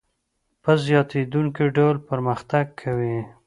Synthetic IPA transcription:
pəzjɑt̪ed̪uŋkiɖawlpəɾməxt̪aɡ̚kʰawi

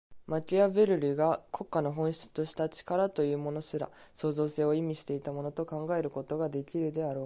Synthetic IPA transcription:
mat͡ɕʲiabe̞ɾɯ̟ɾʲiɡakʰo̞kːano̞ɦõ̞ɰ̃ɕi̥t͡sɨ̥t̪o̞ɕi̥t̪at͡ɕi̥kaɾat̪o̞jɯ̟ːmo̞no̞ɕiɾa̰ | so̞ːzo̞ːse̞ːo̞imʲiɕi̥t̪e̞it̪amo̞no̞t̪o̞kãŋɡae̞ɾɯ̟ko̞t̪o̞ɡad̪e̞kʲiɾɯ̟d̪e̞aɾo̞ː

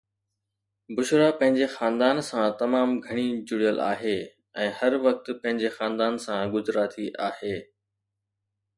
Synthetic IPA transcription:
bʊʃɾapɐ̃ɦɪ̃ɲd͡ʑexaːnd̪aːnsãt̪ɐmaːmɡʱɐɽ̃id͡ʑʊɽijəla̰ːɦeː | ɛ̃ːhɐɾʋɐk̚t̪̆pɐ̃ɦɪ̃ɲd͡ʑexãːnd̪aːnsãɡʊzɾat̪ʰiʔaːheː

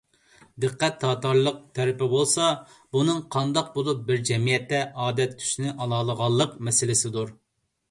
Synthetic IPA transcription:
d̪ɨqːɛt̪ʰːɑːt̪ɑɾlˠəq̚t̪ʰɛɾɪpɪbolˠsɑ | bunɨŋqʰɑnd̪ɑq̚bolˠup̚bɪɾd͡ʒɛmijɛt̪ːɛʔɑːd̪ɛt̪ʰːy̥ʃnɪʔɑlˠɑːlˠəʁɑlˠːəqmɛsɪlɪsɪd̪uɾ

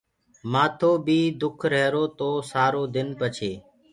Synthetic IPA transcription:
mãːt̪ʰoːbiːd̪ʊkʰɾɛːɾoːt̪oːsaːɾoːd̪ɪnpət͡ʃʰeː

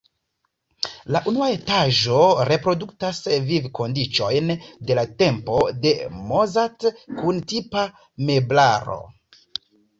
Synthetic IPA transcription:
laʔunuae̞taʒo̞ɾe̞pɾo̞duktasvivko̞ndit͡ʃo̞jnde̞late̞mpo̞de̞mozatkuntipa | me̞blaɾo̞̰

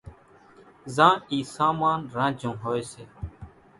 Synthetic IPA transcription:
zãːiːsaːmaːnɾãːd͡ʒõːɦoːjːseː

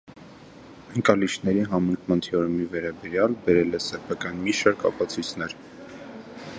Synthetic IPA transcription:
əŋkɑliʃʰnɛɾiɦɑməŋkʰmɑnt̪ʰiɔɾmivɛɾɑbɛɾjɑlbɛɾɛlɛsɛpʰɑkɑnmiʃɑɾkɑpɑt͡sʰujt͡sʰnɛɾ

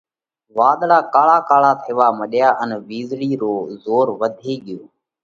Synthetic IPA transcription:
ʋaːɗ̪ɭaːkaːɭaːkaːɭaːt̪ʰɪːʋaːməɗjaːʔənʋiːzɽiːɾoːzoːɾʋəd̪ʱeːɠɪjoː

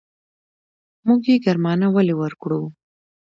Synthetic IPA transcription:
muɡjeɡaɾmɑnawalewəɾkɽu

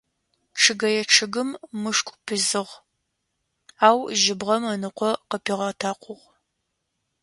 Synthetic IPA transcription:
ʈ͡ʂʰɨɡɐjɛʈ͡ʂʰɨɡɨmːɨʂkʷʼpʰɨzɨʁ | aːwʒɪbʁɐmɐnɨqʷɔqəpʰiːʁɐtʰaːqʷʊʁ

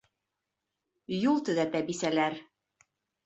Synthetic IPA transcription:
julˠt̪ɵ̆ðæt̪æbisælæɾ

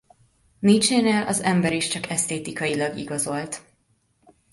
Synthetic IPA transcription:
nit͡ʃeːneːlʔɒ̰zɛmbɛɾiʃt͡ʃɒkɛst̪eːt̪ikɒjilɒɡḭɡɒzo̞lt̪

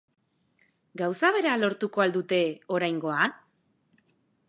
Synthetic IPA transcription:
ɡawsaβ̞e̞ɾalo̞ɾt̪uko̞ald̪ut̪e̞o̞ɾajŋɡo̞an

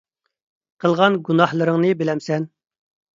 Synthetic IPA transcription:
qʰəlˠʁɑnɡunɑhlˠəɾəŋnɨbɪlɛmsɛn

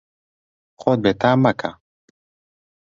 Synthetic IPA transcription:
xod̪̚bet̪aːmːɐkʰa̰

